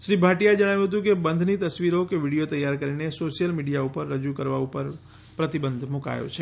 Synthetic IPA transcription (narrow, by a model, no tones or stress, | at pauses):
ʃɾibʱaʈijad͡ʒəɽ̃aʋjũɦət̪̬ũkebənd̪ʱnit̪əsʋiɾokeʋiɽijot̪əjːaɾkəɾinesoʃijəlmiɽijaupəɾːəd͡ʒukəɾʋaupəɾ | pɾət̪ibənd̪ʱmuka̰jo̰t͡ʃʰe